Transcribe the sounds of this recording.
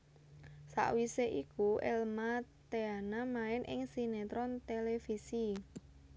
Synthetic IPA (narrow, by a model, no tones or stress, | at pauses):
sa̰ʔwiseʔikuɛ̰lmat̪eanamaɪnʔɪ̰ŋsinet̪ɾɔnt̪elefisi